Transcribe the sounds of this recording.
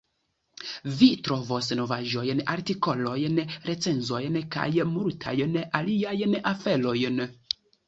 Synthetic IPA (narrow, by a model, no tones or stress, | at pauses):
vitɾo̞vosno̞vaʒo̞jnaɾtiko̞lojnɾe̞t͡se̞nzo̞jnka̰jmultʰa̰jnaliajnafe̞lo̞jn